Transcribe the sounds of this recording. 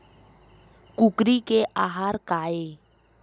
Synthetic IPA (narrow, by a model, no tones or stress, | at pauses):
kukɾikeʔaɦaɾkae